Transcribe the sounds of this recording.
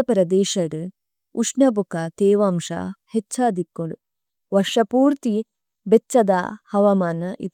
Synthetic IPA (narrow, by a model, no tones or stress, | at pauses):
ɐpɾɐd̪eːʂɐɽɨ | uʂnɐbukɐt̪eːʋaːmʂɐ̰het͡ʃːt͡ʃʰːɐːd̪ʱikːoɽu | ʋɐʂɐpuːɾt̪i | betːt͡ʃːɐd̪ɐhɐʋɐmaːnɐʔḭt̪ː